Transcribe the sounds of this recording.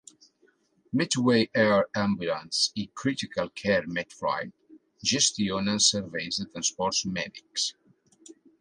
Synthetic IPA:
mit̪wejʔɛɹãmbjulãnsikʰɾit̪ikalˠkʰɛɾmɛt̪fɹa̰jd̪ | ʒɛst̪ionãnsəɾvejzðət̪ɾãnspɔɾtsmɛdiks

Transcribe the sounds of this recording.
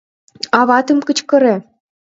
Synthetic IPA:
ɑβɑt̪ɤ̆mkə̆t͡ɕkɤ̆ɾĕ

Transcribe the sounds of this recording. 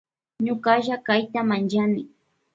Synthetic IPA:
ɲʊkaʒakajt̪amant͡ʃanɪ

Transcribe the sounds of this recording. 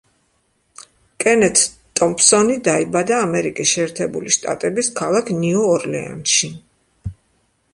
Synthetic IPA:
kʼɛnɛt̪ʰ | t̪ʼɔmpʰsɔnid̪aibad̪aːmɛɾikʼisʃɛːɾt̪ʰɛbṵliʃt̪ʼa̰t̪ʼɛbiskʰalˠakʰniɔːɾlɛ̰a̰nʃi

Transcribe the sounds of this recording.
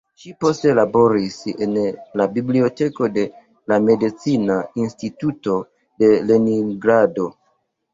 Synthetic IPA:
ʃipo̞ste̞labo̞ɾisḛnlabiblio̞te̞ko̞de̞ | lame̞dit͡sinainstituto̞ | de̞leniŋɡɾado̞

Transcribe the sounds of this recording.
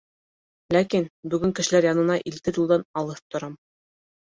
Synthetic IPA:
lækinbʉɡɘŋkɘ̆ʃɘ̆læɾjɑnɤ̆nɑʔilt̪ɘɾjulˠd̪ɑnɑlˠɤt̪ŏɾɑm

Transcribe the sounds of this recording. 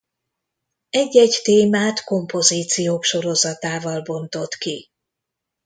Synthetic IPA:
ɛɟːɛɟt̪eːmaːt̪ko̞mpo̞ziːt̪sijoːkʃo̞ɾo̞zɒt̪aːvɒlbo̞nt̪o̞t̪ki

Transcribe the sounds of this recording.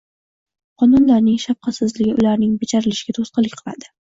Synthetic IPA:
qʰɒnʊnlaɾnɪŋʃafqʰɑt̪sɪzlɪɡʲɪʔʊlaɾnɪŋbet͡ʃʰaɾɪlɪʃɪ̥ɡʲat̪ʰosqɨlˠɪkʲqʰɨlˠa̰d̪ɪ̥

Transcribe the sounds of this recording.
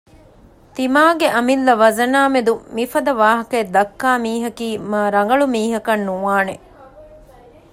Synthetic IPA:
t̪imaːɡeʔɐmilːɐʋɐzɐnaːmed̪umifɐd̪ɐʋaːɦɐkɐed̪ɐkːaːmiːɦɐkiːmɐːɾɐŋɡɐɭumiːɦɐkɐnːuʋaːne

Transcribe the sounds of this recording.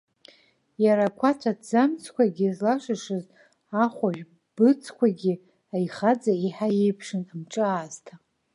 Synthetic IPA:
jaɾakʷʰat͡ʃʷʰadzamt͡sʰkʷʰaɡʲizlaʂʷɨʂɨz | aχʷaʒᶣ | b̥ɨt͡sʰkʷʰaɡʲi | ajχad͡zaiħajejpʰʂɨnamʈ͡ʂʼɨaːztʰa

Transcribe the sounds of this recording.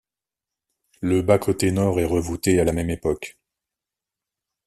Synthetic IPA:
ləbakʰot̪enɔʁɛʁəvut̪ealamɛmepɔk

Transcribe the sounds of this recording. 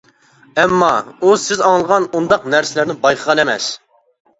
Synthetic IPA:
ɛmːɑusɪzɑŋlˠəʁɑnund̪ɑqnæɾsɪlæɾnɪbɑjqʰəʁɑnɛmɛ̰s

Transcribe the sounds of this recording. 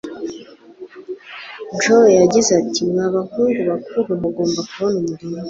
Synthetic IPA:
d͡ʒojaɟizatimŋaβahuːnɡuβakuɾwaβaɡo̞ːmbakuβonumuɾimu

